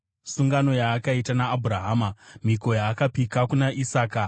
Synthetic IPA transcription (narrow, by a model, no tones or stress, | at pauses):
suŋɡano̞jaːkaitanaːbʱuɾaɦaːmam̤iko̞jaːkapikakunaʔisaːka